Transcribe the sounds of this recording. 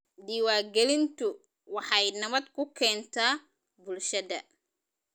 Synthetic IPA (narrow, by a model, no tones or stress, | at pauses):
d̪iːwaːɡɛlɪnt̪ʰʊ | wɑħɑjnɐβɐd̪kʰʊkʰɛːnt̪ʰaː | bʊlʃɐðɐ